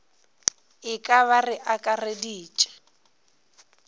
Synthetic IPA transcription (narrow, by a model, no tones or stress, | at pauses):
ɪkʼaβarɪʔakʼarediːt͡ʃʼɛ̥